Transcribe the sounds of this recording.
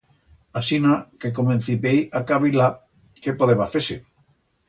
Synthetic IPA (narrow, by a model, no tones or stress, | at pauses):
asinakekomẽn̟θipejakaβila | kepoðeβaθese